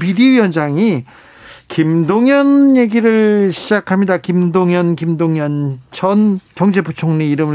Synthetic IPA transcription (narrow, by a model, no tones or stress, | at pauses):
pidiɥiʌnd͡ʑaŋi | kimdoŋjʌnje̞ɡiɾɯɭɕʰid͡ʑakʰamɲidakimdoŋjʌnkimdoŋɲʌnt͡ɕʰʌnkjʌŋd͡ʑe̞but͡ɕʰoŋɲiiɾɯmɯ